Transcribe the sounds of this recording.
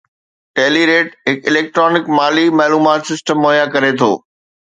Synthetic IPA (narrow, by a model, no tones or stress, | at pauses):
ʈɛːliɾeːʈɦɪkɪleːk̚ʈɾɔːnɪkmaːlimaːluːmaːt̪sɪsʈəmːoːjãkɐɾet̪ʰo̰ː